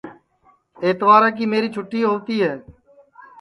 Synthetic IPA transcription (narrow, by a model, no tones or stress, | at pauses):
eːt̪ʋaːɾãːk̬iːmeːɾiːt͡ʃʰʊʈːiːɦoːt̪iːɦɛː